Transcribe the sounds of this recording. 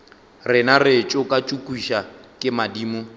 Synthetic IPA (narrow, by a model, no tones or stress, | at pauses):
rɪnarɪt͡ʃʼʊkʼat͡ʃʼukʼiʃakʼɪmadiːmʊ